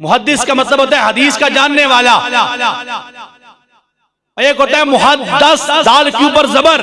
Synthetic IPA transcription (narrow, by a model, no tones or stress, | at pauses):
mʊɦəd̪ːɪskamɐt̪ləbɦoːt̪aɦɛɦɐd̪iːskad͡ʒaːnːeʋaːlaː | eːkɦoːt̪aɦɛmʊɦədd̪ːəsd̪aːlkjuːpəɾzɐbəɾ